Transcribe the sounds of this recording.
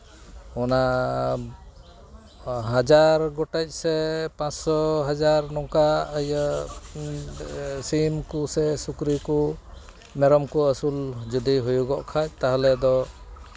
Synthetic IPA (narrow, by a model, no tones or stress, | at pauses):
ɔna | ɦad͡ʒaɾɡɔʈɛc̚ˀsɛpãt͡ʃsɔɦad͡ʒaɾnɔŋkaəjə | simkusɛsukɾiku | mɛɾɔmkɔəsuld͡ʒud̪iɦujuɡɔʔkʰac̚ˀt̪aɦlɛd̪ɔ